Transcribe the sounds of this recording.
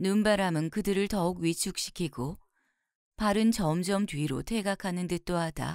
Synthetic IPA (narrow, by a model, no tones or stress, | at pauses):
numbaɾamɯnkɯdɯɾɯɭtʌukɥit͡ɕʰuk̚ɕ͈i̥kʰiɡo | paɾɯnt͡ɕʌmd͡ʑʌmtwɥiɾo̰tʰe̞ɡakʰanɯndɯt͈oɦad̥a̰